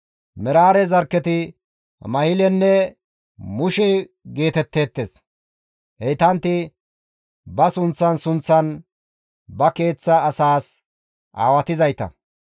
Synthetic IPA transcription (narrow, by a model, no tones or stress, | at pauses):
mɛɾaːɾɛzɐɾkːɛt̪ɪ | mɐhɪlɛnːɛ | mʊʃɛ | ɡe̞ːt̪ɛt̪ːe̞ːt̪ːes | hɛjt̪ɐnt̪ɪ | bɐsʊnt͡sːɐnsʊnt͡sːɐn | bɐke̞ːt͡sːɐːsaːs | ʔa̰ːwɐt̪ɪzɐjt̪ɐ̰